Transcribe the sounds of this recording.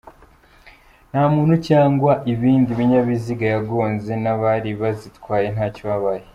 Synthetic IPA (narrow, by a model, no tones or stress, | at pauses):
n̥haːmuːnhucaːŋɡwaʔiβiːndiβiɲaβiziɡajaɡo̞ːnze̞naβaɾiβazitwaːje̞n̥ɦaːcoβaβaje